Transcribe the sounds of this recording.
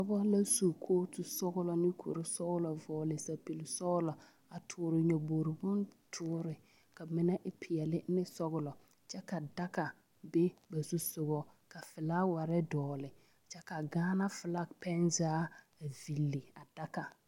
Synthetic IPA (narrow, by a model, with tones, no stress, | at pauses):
bɔ˦bɔ˦la˦su˨kʰoː˦tʊ˨sɔ˦ɣʊ˦lɔ˨nɪ˦kʰo̰˨ɾɪ˦sɔ˦ɣʊ˦lɔ˨vɔː˨lɪ˨sa˨pi˨lɪ˨sɔ˦ɣʊ˦lɔ˨ | a˨tʰʊː˨˦ɾɪ˨ɲɔ˨bo˨ɾɪ˨bʊ˦ntʰʊː˦ɾɪ˨ | ka˨mɪ˦na˦ʔɪ˦pʰɪ˨ɛ˨lɪ˦nɪ˦sɔ˦ɣʊ˨lɔ˨ | t͡ʃɛ˦ka˨da˦ka˨ | be˦ba˨su˦sʊ˨ɣɔ˦ka˨fɪ˨la˦wa˨ɾɛ˦dɔː˨lɪ˨ | t͡ʃɛ˦ka˨ɡaː˦na˦fɪ˨la˦pɛ˦nzaː˨˦ | a˨vi˨lːi˨a˨da˦ka˨